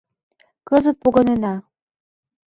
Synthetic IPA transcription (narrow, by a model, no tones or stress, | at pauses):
kɤzə̆t̪̚poɣɤ̆nenɑ